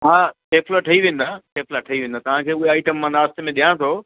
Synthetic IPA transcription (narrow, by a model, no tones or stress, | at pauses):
ɦaːʈeːpʰlaʈʰɐiʋẽːn̆d̪aːʈeːplaʈʰɐiʋẽːn̆d̪aːt̪ɐʋ̤ãkʰeːʊɦeaːɪʈəmːãnaːst̪emẽɗijãt̪ʰoː